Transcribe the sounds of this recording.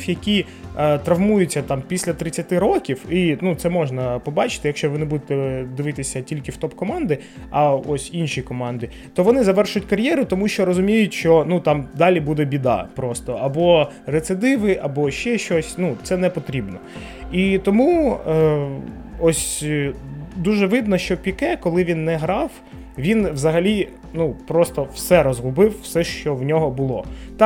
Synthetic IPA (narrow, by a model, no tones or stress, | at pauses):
fjɐkʲi | t̪ɾɐʋmujʊt͡sʲːɐt̪ɑmpʲisʲlʲɐt̪ɾɪt͡sʲːɐt̪ɪɾɔkʲiwinut̪sɛmɔʒnɐpɔbɑt͡ʃɪ̥t̪ɪjɐkʃt͡ʃɔʋɪnebud̪et̪ɛd̪ɪʋɪt̪ɪsʲɐtʲilʲkɪft̪ɔpkɔmɑnd̪ɪ | ɐɔsʲinʃikɔmɑnd̪ɪ | t̪ɔʋɔnɪzɐʋɛrʃʊtʲkɐɾʲjɛɾʊt̪ɔmuʃt͡ʃɔɾɔzʊmʲijʊtʲʃt͡ʃɔnut̪ɑmd̪ɑlʲibud̪ɛbʲid̪ɑ̰pɾɔst̪ɔɐbɔ | ret̪sɪd̪ɪʋɪʔɐbɔʃt͡ʃɛʃt͡ʃɔsʲnut̪sɛnɛpɔt̪ɾʲibnɔ | it̪ɔmu | ɔsʲ | d̪uʒɛʋɪd̪nɔʃt͡ʃɔpʲikɛkɔlˠɪʋʲinːɛɦɾɑw | ʋʲinʋzɐɦɐlʲi | nupɾɔst̪ɔwsɛɾɔzɦʊbɪwːsɛʃt͡ʃɔwnʲɔɦɔbʊlˠɔt̪ɑ